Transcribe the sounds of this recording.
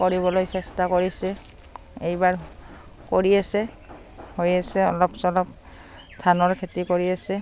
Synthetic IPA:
koɹibɔlojsɛstakoɹisɛ | ejbaɹ | koɹiasɛ | hojasɛɔ̰lɔpsɔlɔp̚ | stʰanɔɹkʰetikoɹiasɛ

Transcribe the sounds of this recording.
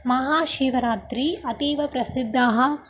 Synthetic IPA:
mɐɦaːʃiːʋɐɾaːt̪ɾiɐt̪iːʋɐpɾɐsid̪ʱːaɦɐ̆

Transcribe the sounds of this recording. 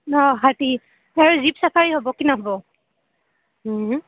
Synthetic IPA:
ɔɦati | aɹuzipsapʰaɹiɦobɔkinɔɦɔbɔ

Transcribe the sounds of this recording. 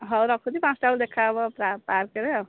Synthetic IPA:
ɦʌɾʌkʰud̪ipãt͡sʈauld̪ekʰaʌbʌpɾapaɾkeɾeʌ

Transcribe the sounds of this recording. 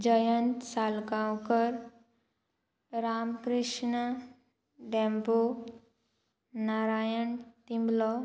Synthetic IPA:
d͡ʑəjənt̪salkãwkəɾ | ɾamkɾiʂɳə | ɖɛ̃mpo | naɾajəɳt̪imblɔ

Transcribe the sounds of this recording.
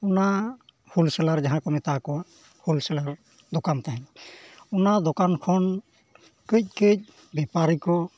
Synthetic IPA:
una | hulsɛlaɾd͡ʒaɦãkɔmɛt̪akɔ | hulsɛlaɾ | d̪ɔkamt̪aɦɛ̃ | unad̪ɔkankʰɔn | kɯc̚kɯc̚ | bɛpaɾikɔ

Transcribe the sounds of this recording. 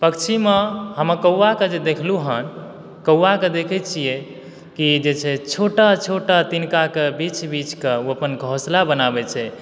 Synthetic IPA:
pəkt͡ʃʰimeɦəməkəwːaked͡ʒed̪ekʰluɦən | kəwːaked̪ekʰɛt͡ʃʰije | kid͡ʒet͡ʃʰɛt͡ʃʰoʈat͡ʃʰoʈat̪inkakebit͡ʃbit͡ʃkeuəpənɡʱoslabənabɛt͡ʃʰɛ

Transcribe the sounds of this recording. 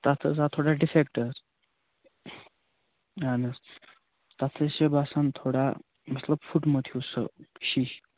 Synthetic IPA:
t̪at̪ʰət͡sat̪ʰoɽaɖifekʈəɾ | anəs | t̪at̪ʰəsebasənt̪ʰoɽa | mət̪ləbfuʈməd̪ʱʰiusə̰ɕi

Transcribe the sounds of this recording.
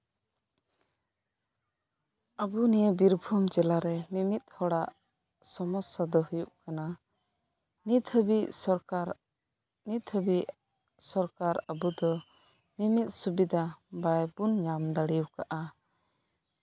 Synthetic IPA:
abunijəbiɾbʱumd͡ʒɛlaɾɛmimit̪̚hɔɽaʔ | sɔmɔsad̪ɔhujuʔkana | nit̪əbiʔɔ | nit̪əbi | sɔɾkaɾabud̪ɔ | mimit̪̚subid̪abajbunɲamd̪aɽiuwkaʔa

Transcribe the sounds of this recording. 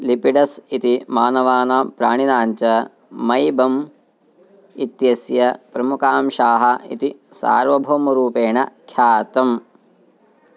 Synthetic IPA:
lipiɖɐsit̪imaːnɐʋaːnaːpɾa̰ːɳinaːɲt͡ʃɐ | mɐjbɐm | it̪jɐsjɐpɾɐmukaːmʃaːɦɐḭt̪isa̰ːɾʋɐbʱoːmɐɾuːpeːɳɐkʰjaːt̪ɐm

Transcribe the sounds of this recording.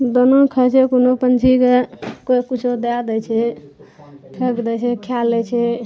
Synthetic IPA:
d̪ənokʰət͡ʃʰɛkonopənt͡ʃʰikekokut͡ʃʰod̪ad̪ɛt͡ʃʰɛ | pʰekd̪ɛt͡ʃʰɛkʰjalːɛt͡ʃʰɛ

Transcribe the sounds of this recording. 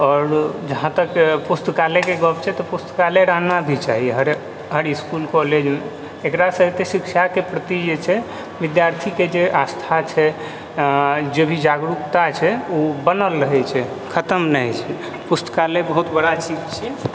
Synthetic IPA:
ɔːɾd͡ʒəɦãt̪əkpust̪əkalekeɡəpt͡ʃʰɛt̪ɔpust̪əkaleɾaɦnabʱit͡ʃaɦiɦəɾ | ɦəɾiiskulkɔled͡ʒmeː | kɾasəɦet̪esikʃakepɾət̪id͡ʒet͡ʃʰɛ | ʋid̪jaɾt̪ʰiked͡ʒeʔast̪ʰat͡ʃʰɛ | d͡ʒebʱid͡ʒaɡɾukt̪at͡ʃʰɛubənəlɾəɦɛt͡ʃʰɛ | kʰət̪əmnəɦjt͡ʃʰɛ | pust̪ə̥kalebəɦut̪bəɽat͡ʃid͡ʒt͡ʃʰɛ

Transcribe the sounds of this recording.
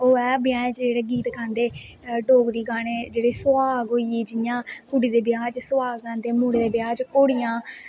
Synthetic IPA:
oːɛːbɪjaːẽːt͡ʃd͡ʒeːɽeːɡiːt̪kãːnd̪eː | ɖoːɡɾiːɡaːɽeːd͡ʒeːɽeːsʊaːɡɦoːiiːd͡ʒɪjãːkʊɽiːd̪eːbɪjaːd͡ʒsʊwaːɡkãːnd̪eːmuːɽeːd̪eːbjaːd͡ʒkoːɽijãː

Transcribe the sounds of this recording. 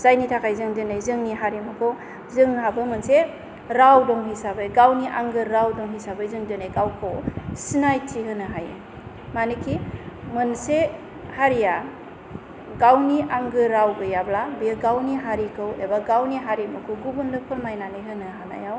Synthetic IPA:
zajnitʰakʰajzɯŋdɯnajzɯŋniɦaɾimɯkʰɯ | zɯŋhabɯmɯnse | ɾawdɔŋhisabɯjɡawniʔaŋɡɯɾawdɔŋɦisabɯzɯŋdɯnejɡawkʰɯwsinajtʰiɦɯnɯɦaj̰ | manikʰimɯnse | haɾija | ɡawniʔaŋɡɯɾawbɯjablabiɡawniɦaɾikʰɯwebaɡawniɦaɾimɯkʰoɡubɯndɯpʰɯɾmajnanɯjɦɯnɯɦana̰jaw

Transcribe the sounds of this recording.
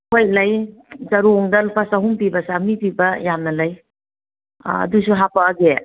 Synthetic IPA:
hʰojlɐjzɐɾuːŋdɐlpʰasɐɦumpibɐsamipibɐjamnɐlɐj | ɐ̰dusuɦapɐːɡe

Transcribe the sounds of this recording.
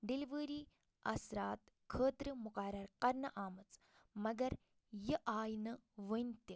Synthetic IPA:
ɖiliʋəːɾiː | ɐ̰sɾaːt̪ | kʰəːt̪ɾɨmʊqɐɾɐɾqɐɾnɐʔaːmɨt͡s | mɐɡɐɾ | jɐʔaːjnɨʋənt̪i

